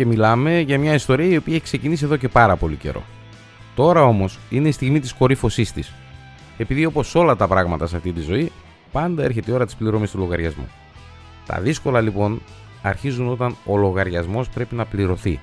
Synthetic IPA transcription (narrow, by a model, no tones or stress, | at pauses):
ce̞milɐme̞ʝɐmɲɐist̪o̞ɾiɐio̞piɐeçkse̞cinisie̞ðo̞ce̞pɐɾɐpo̞lḭce̞̰ɾʔo̞̰ | t̪o̞ɾɐo̞mo̞sine̞ist̪iɣmit̪isko̞ɾifo̞sist̪is | e̞piðio̞po̞so̞lɐt̪ɐpɾɐɣmɐt̪ɐsɐft̪it̪izo̞i | pɐnd̪ɐe̞ɾçet̪eio̞ɾɐt̪ispliɾo̞mist̪ulo̞ɣɐɾʝɐzmṵ | t̪ɐ̰ðisko̞lɐlipo̞n | ɐɾçizuno̞t̪ɐno̞lo̞ɣɐɾʝɐzmo̞spɾe̞pinɐpliɾo̞θḭ